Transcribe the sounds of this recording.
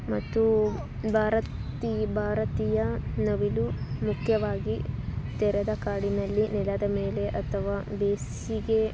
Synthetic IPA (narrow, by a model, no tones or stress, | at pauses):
mɐt̪ːu | bʱaːɾɐt̪ibʱaːɾɐt̪iːjɐnɐʋilumukʰjɐʋaːɡit̪ɛɾɐd̪ɐkaːɽinɐlːinɛlɐd̪ɐme̞ːle̞ʔɐt̪ʰɐʋaːbeːs | iɡe